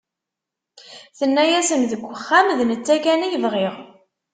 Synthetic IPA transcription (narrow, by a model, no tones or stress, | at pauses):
θənːæjæsəmðəɡʷːəχːæmðnət͡sːækænijəvʁɪʁ